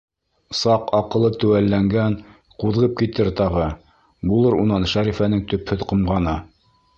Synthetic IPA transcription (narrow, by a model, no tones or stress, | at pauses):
sɑqɑqɤ̆lˠɤt̪ʉ̆wælːæŋɡæn | quðʁɤp̚kit̪ɘɾt̪ɑʁɤ | bulˠɤɾunɑnʃæɾifænɘŋt̪ɵ̆phɵðqŏmʁɑnɤ